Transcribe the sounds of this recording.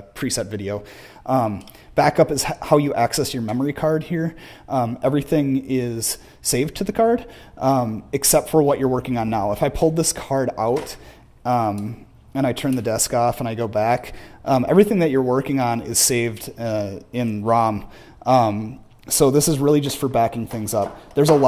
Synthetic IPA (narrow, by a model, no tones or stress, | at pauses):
pʰɹ̥isɛtvɪɾioʊ | ʔʌ̃m | b̥ækʌpɨz̥haʊjɨʔæksɛsjə˞mɛmə˞ikʰɑɹd̚hiɹ | ʔʌ̃mʔɛvɹiθɪ̃ŋɪz̥ | seɪvd̚tʰɨðɨkʰɑɹd | ʔʌ̃mɨksɛp̚tfə˞wʌt͡ʃə˞wɜ˞kɪ̃ŋə̃nːaʊəfaɪpʰʊlˠd̪̚ðɪskʰɑɹɾa̰ʊt | ʌ̃m | ɨ̃ɾ̃aɪtʰɜ̃˞nðɨdɛskɔfə̃ñaɪɡoʊbækʔʌ̃mʔɛ̰vɹiθɪ̃ŋðɨt͡ʃə˞wɜ˞kɪ̃ŋə̃nɪ̰z̥seɪvdʌɪ̃nɹɑ̃m | ʔʌ̃m | soʊðɪsɨzɹɪlˠid͡ʒʌstfə˞bækɪ̃ŋθɪ̃ŋzʌp̚ðə˞zəl